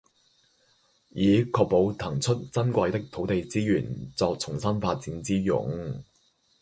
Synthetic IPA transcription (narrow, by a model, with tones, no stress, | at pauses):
jiː˨˥kʰɔː˧k̚po˨˥wt̪ʰɐ˨˩ŋt͡sʰɵ˥t̚t͡sɐ˥nkʷɐ˧jt̪ɪ˥k̚t̪ʰo˨˥wt̪e˨jt͡siː˥jyː˨˩nt͡sɔː˧k̚t͡sʰʊ˨˩ŋsɐ˥nfaː˧t̚t͡siː˨˥nt͡siː˥jʊ̰˨˧˥ŋ